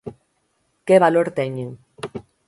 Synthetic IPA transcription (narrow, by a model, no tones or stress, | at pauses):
keβaloɾt̪ɛɲeŋ